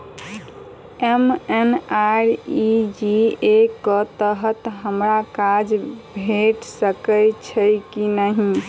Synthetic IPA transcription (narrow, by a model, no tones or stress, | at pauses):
emenaɾid͡ʒiekət̪əɦət̪ɦəmɾakad͡ʒbʱeʈsəkəjt͡ʃʰəjkinəɦĩ